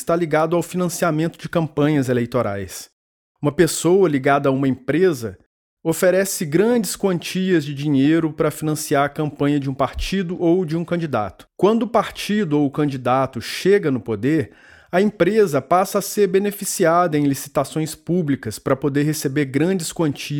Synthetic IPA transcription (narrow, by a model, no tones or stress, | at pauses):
ɪst̪aliɡad̪ʊawfinɐ̃siamẽnt̪ʊd͡ʒɪkɐ̃mpɐ̃ɲɐzelejt̪oɾa̰js | ũmɐpesowɐliɡad̪ɐːũmɐẽpɾezɐ | ofeɾɛsɪɡɾɐ̃d͡ʒɪskwɐ̃nt͡ʃiɐzd͡ʒɪd͡ʒĩɲejɾʊpɾɐfinɐ̃siaɾɐkɐ̃mpɐ̃ɲɐd͡ʒɪũpaɾt͡ʃid̪ʊʔowd͡ʒɪũkɐ̃d͡ʒid̪a̰t̪ʊ̥kwɐ̃nd̪ʊːpaɾt͡ʃid̪ʊowʊkɐ̃d͡ʒid̪at̪ʊʃeɡɐnʊpod̪eɾ | ɐẽmpɾezɐpasɐːseɾbenefisiad̪ɐẽj̃lisi̥t̪asõj̃spublikɐspɾɐpod̪eɾɦesebeɾɡɾɐ̃d͡ʒɪskwɐ̃nt͡ʃi